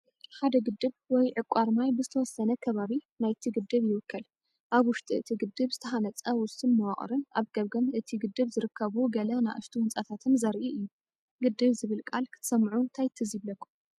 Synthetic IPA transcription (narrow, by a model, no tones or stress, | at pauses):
ħad̪ɐɡɨd̪ːɨβwɔjʕɨkʷʼːaɾmajbɨzɨt̪ʰɐwɔsːɐnɐkʰɐβaβinajt̪ʰiɡɨd̪ːɨβjɪwɨkʰːɐl | ʔaβwʊʃt̪ʼiɨt̪ʰiɡɨd̪ːɨβzɨt̪ʰɐɦanɐt͡sʼɐwʊst̪ɨnmɐwaχʼɾɨnʔaβɡ̥ɐβɡɐmɨt̪ʰiɡɨd̪ːɨβzɨɾɨkʰːɐβuɡɐlɐnaʔɨ̰ʃt̪ʰiwʊnt͡sʼat̪ʰat̪ʰɨnzɐɾʔiʔɨjːu | ɡɨd̪ːɨβzɨβɨlkʼalkʰɨ̥t̪ʰɐ̥sɐmʕunt̪ʰajt̪ʰɨziβlɐkʰːu̥